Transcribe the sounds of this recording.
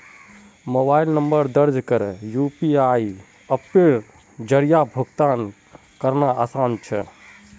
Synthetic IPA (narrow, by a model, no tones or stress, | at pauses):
mobailnəmbəɾd̪əɾd͡ʒkəɾjupiai | əpːeɾ | d͡ʒəɾijabʱoɡt̪aːn | kəɾnaasaːnt͡ʃʰə